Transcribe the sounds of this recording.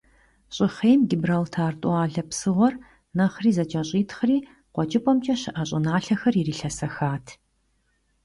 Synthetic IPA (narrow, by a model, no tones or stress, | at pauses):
ɕʼɪχeːmɡɪbraltʰaːrtʼwɑːɮɐpsɨʁʷɔr | nɐχriːzɐt͡ʃʼɐɕʼiːtʰχriː | qʷɔt͡ʃʼɪpʼɔmt͡ʃʼɐɕɨʔɐɕʼɪnaːɬɐxɐririːɬɐsɐxaːtʰ